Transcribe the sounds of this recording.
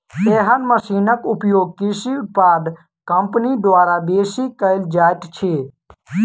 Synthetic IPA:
eːɦənməsiːnəkʊpjoːɡ̚kɪsiʊt̪̚paːd̪ | kəmpnid̪ʋaːɾabeːsiːkəɪld͡ʒaːjʈ̪t͡ʃʰeː

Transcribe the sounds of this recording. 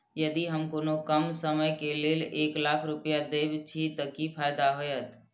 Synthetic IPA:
jəd̪iɦəmkoːnokəmsəməjkeleːleːklaːkʰɾʊpjad̪eːbt͡ʃʰit̪əkipʰaːjd̪aɦoːjət̪

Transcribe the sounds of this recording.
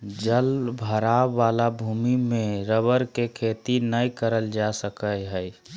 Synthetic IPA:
d͡ʒəlbʱəɾaːalabʱumimeɾəbəɾkekʰet̪inəjkəɾəld͡ʒasəkəjɦəj

